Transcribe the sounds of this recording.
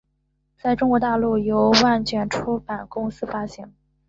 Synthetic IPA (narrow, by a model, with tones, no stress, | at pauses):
t͡sa˥˩ɪʈ͡ʂʊ˥ŋkwɔ˧˥t̪a˥˧lu˥˩jo˧˥ʊwa˥˩nt͡ɕɥɛ˨˩nʈ͡ʂʰu˥pa˨˩nkʊ˥ŋsɹ̩˥fa˥ɕɛ˧˥ŋ